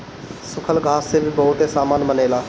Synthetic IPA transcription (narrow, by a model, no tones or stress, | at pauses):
sʊkʰəlɡʱaːsːebʱibɔɦʊt̪esaːmaːnməneːlaː